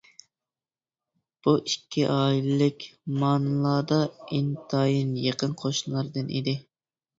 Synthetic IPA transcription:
b̥uʔikʲʰːiʔɑːillɪkʲmɑːnɨlˠɑːd̪ɑint̪ʰɑːjinjeqʰənqʰoʃnlˠɑɾd̪ɨnḭd̪ɪ

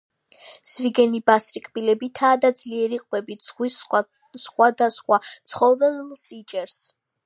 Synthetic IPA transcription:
sviɡɛnibasɾikʼbilɛbit̪ʰaːd̪ad̪zliɛɾiqʼwɛbiz̥ʁwis | sχwad̪asχwat̪sʰχɔvɛlsit͡ʃʼɛɾs

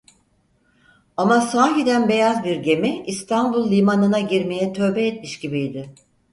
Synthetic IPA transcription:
amasaːɦid̪ænbe̞jazbiɾɟe̞mɛist̪ʰanbulˠːʲimanɯnaɟiɾme̞jɛt̪ʰø̞ːbɛːt̪̚miʃɟibijd̪ɪ

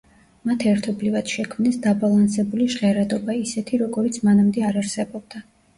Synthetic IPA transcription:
mat̪ʰɛɾt̪ʰɔblivad̪̥ʃɛkʰmnɛsd̪abalˠansɛbuliʃʁɛɾad̪ɔbaisɛt̪ʰiɾɔɡɔɾit̪sʰmanamd̪ɛaɾaɾsɛbɔb̚d̪a

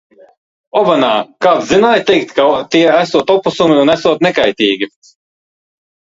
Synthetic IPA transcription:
ɔbanaːkaːt̪zinaːjt̪ɛjk̚t̪kat̪iɛæsuɔt̪ɔpusumiunæsuɔt̪nɛkajt̪ʲiːɡʲi

